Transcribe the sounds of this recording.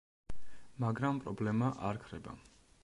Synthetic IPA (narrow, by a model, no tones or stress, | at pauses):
maɡɾampʼɾɔblɛmaʔaɾkʰɾɛba̰